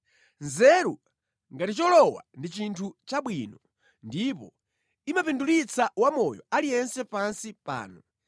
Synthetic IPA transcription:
nzɛɾu | ŋɡatit͡ʃɔlɔwa̰ndit͡ʃintʰut͡ʃaɓwinɔ | ndipɔ | imapinduɾit͡sʰawamɔjɔ̰alijɛnsɛpansipa̰ːnɔ

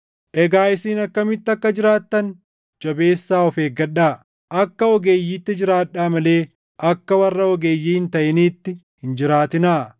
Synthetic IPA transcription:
ʔɛɡaːɪsiːnɐkːɐmɪt̪ːɐkːɐd͡ʒɪɾaːt̪ːɐn | d͡ʒɐbe̞ːsːaːɔfeːɡɐᶑaː | ʔɐkːɐɔɡe̞ːjːiːt̪ːɪd͡ʒɪɾaːᶑːaːmɐle̞ː | ʔɐkːɐwɐrːɐɔɡeːjːiːhɪnt̪ɐʔɪniːt̪ːɪhɪnd͡ʒɪɾaːt̪ɪnaː

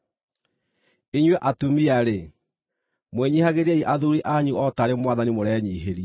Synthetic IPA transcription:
iɲwɛʔatumiaɾe | mweɲihaɣeɾaiʔaðuɾiʔaɲuɔtaɾemwaðanimoɾɛːɲiːɦeɾi

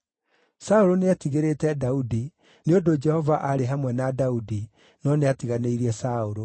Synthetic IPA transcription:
saoɾoneatiɣeɾeːtɛdaudi | neodod͡ʒɛhɔvaʔaɾeɦamwɛnadaudi | nɔneatiɣaneiɾiɛsaoɾo

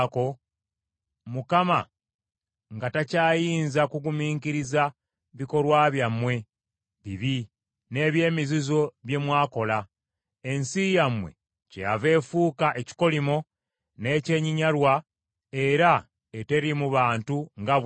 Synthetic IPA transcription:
ko̞ | mukama | ŋɡatacaːjiːnzakuɡumiːŋkiɾiza | βiko̞ɾwaβjamːwe̞ | βiβi | ne̞ːβje̞ːmizizo̞βje̞mwaːko̞la | e̞nsijamwe̞̰ | cejave̞ːfuːkaʔeci̥ko̞limo̞ | ne̞ːce̞ɲiɲaɾwa | e̞ɾa | ete̞ɾimuβaːntuŋɡa

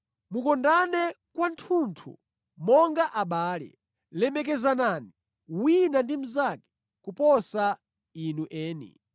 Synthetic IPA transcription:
mukɔndanɛ | kwantʰuntʰṵ | mɔŋɡaʔaɓaːlɛ̰ | lɛmɛk̬ɛzanani | winandim̩zakɛ̥ | kupɔsa | inuʔɛːnḭ

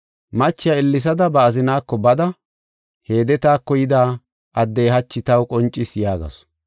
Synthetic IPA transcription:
mɐt͡ʃːɪjaɪlːɪs̬ɐd̪ɐbɐːzɪnaːkːɔbɐd̪ɐ | he̞ːd̪ɛt̪aːkːɔjɪd̪aː | ʔɐd̪ːejɦɐt͡ʃːɪt̪ɐwkʼɔnt͡ʃʼːɪsjaːɡɐ̰s

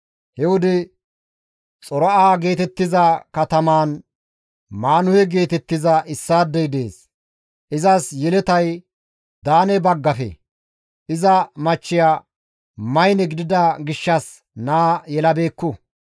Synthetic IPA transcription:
hɛwʊd̪ɪ | t͡sʼɔɾɔʔaːɡe̞ːt̪ɛt̪ːɪzɐkɐt̪ɐmaːn | maːnʊhɛɡe̞ːt̪ɛt̪ːɪzɐʔɪsːaːd̪ːɛjd̪e̞ːs | ʔɪzɐsjɛlɛt̪ɐj | d̪aːnɛbɐɡːɐfɛ̰ | ʔɪzɐmɐt͡ʃːɪjaː | mɐjnɛɡɪd̪ɪd̪ɐɡɪʃːɐs | naːjɛlɐbe̞ːkːʊ

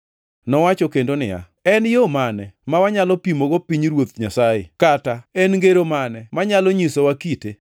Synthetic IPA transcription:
nɔwat͡ʃɔkendonɪ̰ja̰ | ɛnjomanɛmawaɲalɔpimoɡopiɲɾwot̪ɲasaɪ̰kataɛnŋɡeɾomanɛmaɲalɔɲisowakite

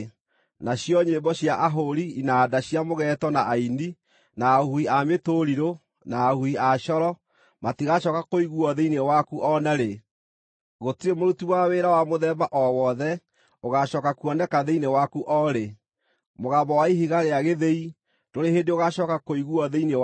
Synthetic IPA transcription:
naɕjɔɲembɔɕjaʔaɦoɾiinadaɕjamoɣɛtɔnaʔaini | naːhuiametoɾiɾo | naːhuiaʃɔɾɔ | matiɣaʃɔkakoiɣuɔðeinewakuʔɔnaɾe | ɣotiɾemoɾutiwaweɾawamoðɛbaʔɔwɔðɛ | oɣaɕɔːkakuɔnɛkaðeinewakuʔɔɾe | moɣabɔwaiɦiɣaɾeaɣeðei | doɾeɦendeoɣaʃɔkakoiɣuɔðeine

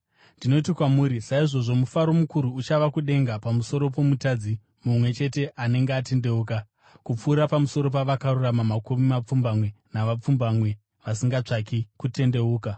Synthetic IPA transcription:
ndino̞tikwamuːɾisaiʐo̞ʐo̞mufaɾo̞mukuɾuːt͡ʃaʋakuɗe̞ŋɡapamuso̞ɾo̞p̬o̞mutad͡zi | mumwe̞t͡ʃe̞te̞ʔane̞ŋɡeate̞nde̞uːka | kup͡fuːɾapamuso̞ɾo̞paʋakaruramamakumimap͡fumbamwe̞naʋap͡fumbamwe̞ | ʋasiŋɡat͡ʂakikute̞nde̞uːka

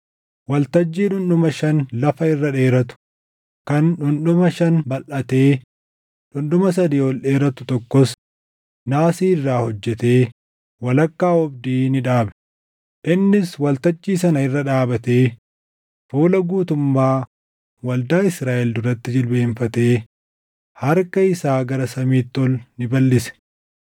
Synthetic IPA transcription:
wɐlt̪ɐd͡ʒːiːᶑʊnɗʊmɐʃɐnlɐfɐɪrːɐᶑe̞ːɾɐt̪ʊ̥ | kɐnᶑʊnɗʊmɐʃɐnbɐlʔɐt̪eː | ᶑʊnɗʊmɐs̬ɐd̪iːɔlɗeːɾɐt̪ʊ̥t̪ɔkːɔs | naːsiːɪrːaːhɔd͡ʒːɛt̪e̞ː | wɐlɐkːaːɔbd̪iːnɪᶑaːbɛ̥ | ʔɪnːɪswɐlt̪ɐt͡ʃʼːiːsɐnɐɪrːɐᶑaːbɐt̪e̞ː | fuːlɐɡuːt̪ʊmːaː | wɐld̪aːɪsɾaːʔɛld̪ʊɾɐt̪ːɪd͡ʒɪlbeːɱfɐt̪e̞ː | hɐɾkɐɪsaːɡɐɾɐsɐmiːt̪ːɔlnɪbɐlːɪsɛ̥

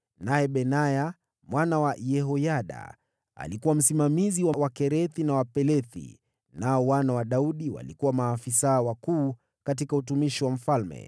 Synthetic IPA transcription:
naɛɓɛnaja | mwanawajɛɦɔjaɗa̰ | a̰likuwam̩simamiziwawakɛɾɛθinawapɛlɛθḭ | naɔwanawaɗauɗiwa̰likuwamaːfisawakuː | katikaut̬umiʃiwam̩falmɛ̰

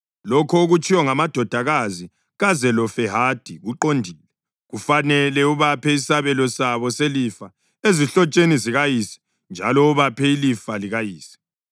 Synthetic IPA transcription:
lɔkʰɔoɣut͡ʃʰʼiwɔŋamad̥ʱɔd̥ʱaɣazi | ɣazɛlɔfɛɦad̥ʱiɣuǃondʱiːlɛ | ɣufanɛlɛuβapʰɛisaβɛlɔsaβɔselifa | eziɬɔt͡ʃʼeniziɣajiːsi̥ | nd͡ʒʱalɔuβapʰɛilifaliɣajiːsi̥

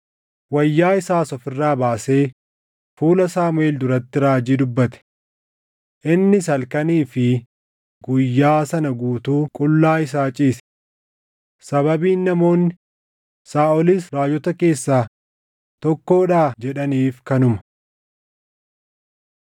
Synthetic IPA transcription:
wɐjːaːɪsaːsɔfɪrːaːbaːse̞ː | fuːlɐsaːmʊeːld̪ʊɾɐt̪ːɪɾaːd͡ʒiːd̪ʊbːɐt̪ɛ̥ | ʔɪnːɪs̬ɐlkɐniːfɪ | ɡʊjːaːsɐnɐɡuːt̪uːkʼʊlːaːɪs̬aːt͡ʃʼiːs | sɐbɐbiːnːɐmo̞ːnːɪ | saːɔliːsɾaːd͡ʒɔt̪ɐke̞ːsːaː | t̪ɔkːo̞ːᶑaːd͡ʒɛᶑɐniːfkɐnʊmɐ̥

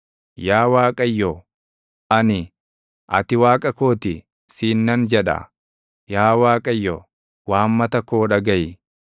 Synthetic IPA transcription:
jaːwaːkʼɐjːo | ʔɐnɪ | ʔɐ̰t̪ɪwaːkʼɐko̞ːt̪ɪ | siːnːɐnd͡ʒɛᶑɐ̰ | jaːwaːkʼɐjːo̰ | waːmːɐt̪ɐkoːᶑɐɡɐjɪ

